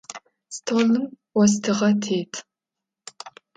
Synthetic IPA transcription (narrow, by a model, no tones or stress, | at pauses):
stʰoːlɨm | wɔstʰɨʁɐtʰeːtʰ